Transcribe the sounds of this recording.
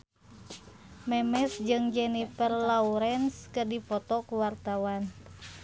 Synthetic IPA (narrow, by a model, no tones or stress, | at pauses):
mɛmɛsd͡ʒɨŋd͡ʒɛnifərlauɾɛnskɨrdipɔt̪ɔkuwart̪awan